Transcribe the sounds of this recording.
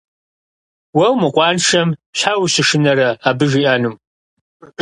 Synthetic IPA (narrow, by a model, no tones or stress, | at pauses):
wɐwmɨqʷʼɑːnʂɐmɕħawɕɪʂɨnɐɾɐaːbɨʒiːʔanɨm